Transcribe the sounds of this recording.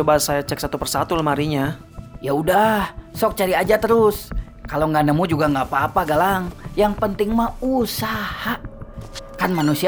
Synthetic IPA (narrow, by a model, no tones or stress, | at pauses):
t͡ʃobasajat͡ʃɛk̚sat̪upərsat̪ulmaɾiɲa | jaudahsɔk̚t͡ʃaɾiad͡ʒat̪əɾʊs | kaloŋɡanəmud͡ʒuɡaŋɡapaːpaɡalaŋjaŋpənt̪ɪŋmausaha | kanmanusia